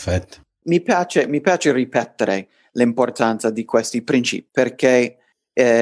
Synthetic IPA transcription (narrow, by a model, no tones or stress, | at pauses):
fɛt̪ː | mipjaːt͡ʃemipjaːt͡ʃeripɛt̪ːeɾe | limport̪ant̪sad̪ikwest̪ipɾint͡ʃḭpi̥perke